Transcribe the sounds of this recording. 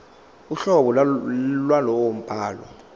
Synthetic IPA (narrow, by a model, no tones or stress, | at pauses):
uɬɔɓɔllwalɔwom̩pʼaːlɔ̰